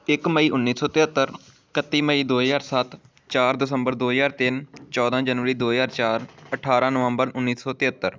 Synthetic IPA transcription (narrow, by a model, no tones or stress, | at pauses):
ɪkməiːʔʊnːiːsɔːt̪ɪɦət̪ːəɾ | kət̪ːiːməiːd̪oːjaːɾsət̪ | t͡ʃaːɾd̪ɪsəmbəɾd̪oːjaːɾt̪ɪnt͡ʃɔːd̪ãːd͡ʒənʋəɾiːd̪oːjaːɾt͡ʃaːɾəʈʰaːɾãːnəʋəmbəɾʊnːiːsɔːt̪ɪət̪ːəɾ